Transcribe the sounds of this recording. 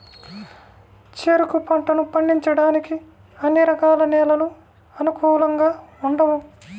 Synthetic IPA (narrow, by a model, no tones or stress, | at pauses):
t͡ʃeːɾukupɐɳʈɐnupɐɳɖiɲt͡ʃɐɽaːniki | ɐnːiɾɐkaːlɐnɛːlɐlu | ɐnukuːlɐŋɡaːuɳɖɐʋu